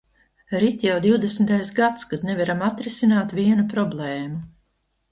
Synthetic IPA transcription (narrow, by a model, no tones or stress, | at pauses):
ɾit̪ʲjawd̪iwd̪esmt̪ajsɡat̪skad̪nɛvaɾamat̪ɾisinaːt̪viɛnupɾɔblˠeːmu